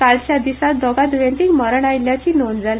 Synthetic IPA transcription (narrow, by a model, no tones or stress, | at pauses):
kalt͡ɕjad̪isat̪̚d̪ʱɔɡad̪ʋẽnt̪ikməɾəɳajiljat͡ɕiːnond͡zal